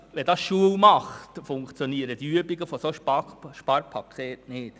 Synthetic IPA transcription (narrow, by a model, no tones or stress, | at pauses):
ʋɛdɑsʃuəwmɑχtfʊŋkt͡sjoniəɾəd̥iyəbiɡəfosoʃpɑʃpɑːɾpʰɑkʰeːtnɪːt